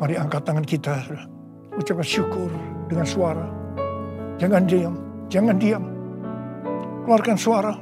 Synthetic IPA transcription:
maɾiaŋkat̪aŋankit̪a | ut͡ʃapaʃukʊrdəŋansuaɾa | d͡ʒaŋandiamd͡ʒaŋandiam | kəluarkansuaɾa

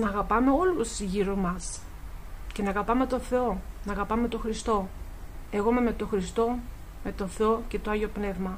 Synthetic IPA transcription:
nɐːɣɐpɐme̞o̞lusʝiɾomɐs | ce̞nɐːɣɐpɐme̞t̪o̞θe̞o̞nɐːɣɐpɐme̞t̪o̞xɾist̪o̞ | e̞ɣome̞me̞t̪o̞xɾist̪o̞ | me̞t̪o̞θe̞o̞ce̞t̪oɐʝo̞pne̞vmɐ

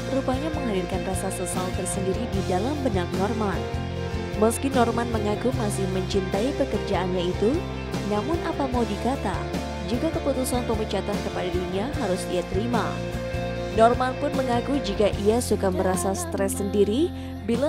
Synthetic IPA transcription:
ɾupaɲaməŋɦadilkanrasasəsaut̪ərsəndiɾididalambənak̚nɔrman | məskinɔrmanməŋakumasɪhməɲt͡ʃint̪aipəkərd͡ʒaʔanɲait̪u | namʊnʔapamawdikat̪a | d͡ʒikakəput̪usanpəmut͡ʃat̪ankəpadadiɲaɦaɾʊsiat̪əɾima̰ | nɔrmanpʊnməŋakud͡ʒikaʔiasukaməɾasasə̥t̪ɾɛsːəndiɾi | bila

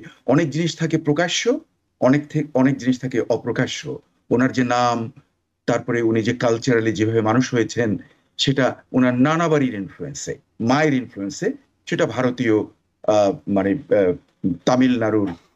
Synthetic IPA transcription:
ɔnek̚d͡ʑiniʃt̪ʰakepɾokaʃo | ɔnekt̪ʰeɔnek̚d͡ʑiniʃt̪ʰakeʔɔpɾokaʃo̰ | onaɾd͡ʑenam | t̪aɾpɔɾeunid͡ʑekalt͡ɕaɾalid͡ʑebʱabemanuʃɦojet͡ɕʰen | ʃeʈaonaɾnanabaɾiɾinfluensḛ | maeɾinfluense | ʃeʈabʱaɾot̪io | mane | t̪amilnaɾuɾ

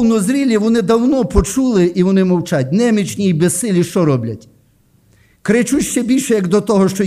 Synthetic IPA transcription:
nɔzɾʲilʲiʋɔnɪd̪ɐwnɔpɔt͡ʃulˠɪʔiʋɔnɪmɔwt͡ʃɑtʲnɛmʲit͡ʃnʲiibɛssɪlʲiʃt͡ʃɔɾɔblʲɐtʲ | kɾɪt͡ʃutʲʃt͡ʃɛbʲilʲʃɛjɐɡd̪ɔt̪ɔɦɔʃt͡ʃɔ

